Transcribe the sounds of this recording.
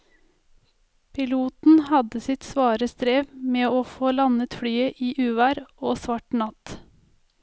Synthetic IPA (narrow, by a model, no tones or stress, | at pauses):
pʰɪluːt̪n̩hɑd̪əsɪt̪sʋɑːɾəst̪ɾeːʋmeːoːfoːlɑnət̪fɽyːəʔiːʔʉːʋæɾoːsʋɑʈɳɑt̪